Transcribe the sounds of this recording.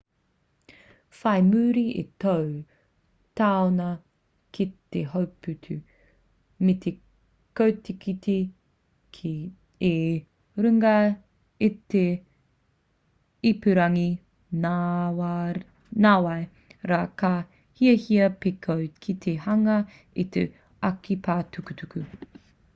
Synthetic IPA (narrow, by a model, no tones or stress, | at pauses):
fɐjmʉːɾiet̪ow | t̪aonɐ | kit̪eɦowpʉt̪ʰʉ | met̪ʰe | kowt̪ikʰitʰi | kʰː | e | ɾʉŋɐ | it̪e | ipʉɾɐŋi | naw | naːwɐj | ɾaːka | hiɐhiɐpekʰowkʰit̪ʰehɐŋɐ | it̪ḛ | ɐkipʰaːtukut̪ukʉ